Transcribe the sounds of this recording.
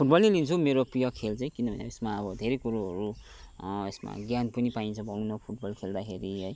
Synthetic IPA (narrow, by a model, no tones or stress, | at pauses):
pʰuʈ̚bʌlnelint͡sʰumeɾoprijʌkʰelt͡sãj̃kinʌbʱʌnḛʌesmaʌbʌd̪ʱeɾekuɾoɦʌɾu | esma̰ɡjanpʌnipaint͡sʰʌbʱʌw̃nʌpʰuʈ̚bʌlkʰeld̪akʰeɾiɦʌj